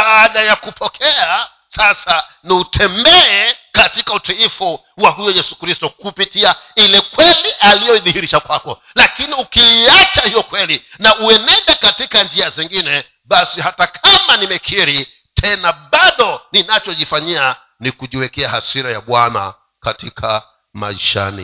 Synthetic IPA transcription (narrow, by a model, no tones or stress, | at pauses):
ɓaaɗajakupʰɔkʰɛa | sasa | niutʰɛmbɛɛkatikautiifɔ | wahujɔjɛsu̥kɾistɔkupitiailɛkwɛliʔalijɔiðihiɾiʃakwakɔlakiniukiːat͡ʃahijɔkwɛlinauɛnɛɗɛkatikand͡ʒiaziŋɡinɛ | ɓasihatakʰamanimɛkʰiɾi | tʰɛnaɓaɗɔninat͡ʃɔʄifaɲia | nikuʄiwɛkɛahasiɾaja̰ɓwana̰ | katikʰa | ma̰ḭʃa̰nḭ